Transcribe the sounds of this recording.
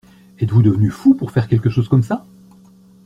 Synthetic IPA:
ɛt̪vud̪əvənyfupuʁfɛʁkʲɛlkəʃozkɔmsa

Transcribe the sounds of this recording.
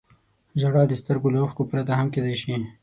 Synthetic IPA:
ʒaɽɑːd̪əst̪əɾɡolaxkopɾat̪aɦamked̪ajʃi

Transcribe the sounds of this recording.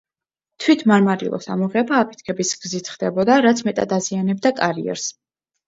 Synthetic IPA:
t̪ʰwit̪ʰmaɾmaɾḭlˠɔ̰sa̰mɔʁɛbaːpʰi̥t̪̚ʰkʰɛbisɡzit̪ʰχd̪ɛbɔd̪aɾat̪sʰmɛt̪ʼad̪azianɛb̚d̪akʼaɾiɛ̰ɾs

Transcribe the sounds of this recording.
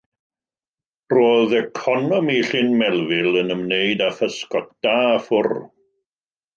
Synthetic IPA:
roːðɛkʰɔnɔmiɬɪnmɛlˠvɪlˠənəmnejdafəskɔt̚d̥afʊr

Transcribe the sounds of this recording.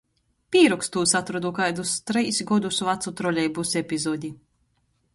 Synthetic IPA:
pʲiːɾɔkst̪uːsat̪ɾɔd̪ukajd̪ust̪ɾɛjsɡɔd̪usuvat̪sut̪ɾɔlʲɛjbusepʲizɔːd̪ʲi

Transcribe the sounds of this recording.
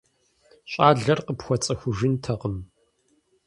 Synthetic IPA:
ɕʼaːɮɐrqəpxʷɔt͡sʼɐxʷʊʒɪntʰɐqəm

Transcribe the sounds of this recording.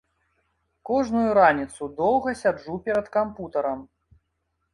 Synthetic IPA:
kɔʐnujuɾanʲit̪sud̪ɔwɣɐsʲad͡ʐupʲɛɾɐt̪kamput̪ɐɾɐm

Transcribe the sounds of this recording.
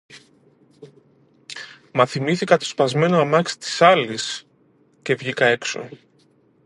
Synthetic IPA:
mɐθimiθikɐt̪o̞spɐzme̞noɐmɐksi̥t̪i̥sɐlis | ce̞vʝikɐe̞kso̞̰

